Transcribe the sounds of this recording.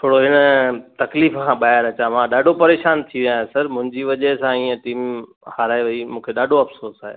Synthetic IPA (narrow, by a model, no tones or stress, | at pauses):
t̪ʰoːɽoɦɪnət̪ɐkliːfkʰãːɓaːjəɾɐt͡ɕãmãːɗaːɖʱopɐɾeːʃaːnt̪ʰiʋijãːɦesɐɾmʊ̃ɦɪ̃ɲd͡ʑiʋɐʄəɦsãiːə̃ʈiːm | haːɾaːɦeʋɐimũːkʰeɗaːɖʱoɐfsoːɾsaːɦḛː